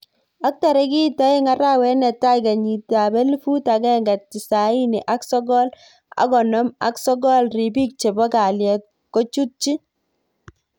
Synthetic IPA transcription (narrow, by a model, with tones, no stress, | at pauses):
a˦k̚ta˨ɾɛ˦ki˦ta˦ɪ˦ŋa˦ɾa˦wɛ˦nɛ˨ta˦jka˨ɲi˨ta˨bɛ˦li˦fu˦ta˨kɛ˦ŋɡa˨t̚ti˨sa˨i˦ni˨ʔa˦ksɔ˦ɡɔ˦l | a̰˦kɔ˨nɔ˦ma̰˦ksɔ˦ɡɔ˦lri˨bi˦k̚t͡ʃe˨bɔ˦ka˨ljɛ˨ | kɔ˦t͡ʃu˦t̚t͡ʃi˦